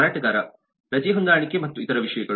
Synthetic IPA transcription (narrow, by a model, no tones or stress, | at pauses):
aːʈɐɡaːɾɐ | pɾɐd͡ʒiːɦund̪aːɐɳikːemɐt̪ːuit̪ɐɾɐʋiʂɐjɐɡɐ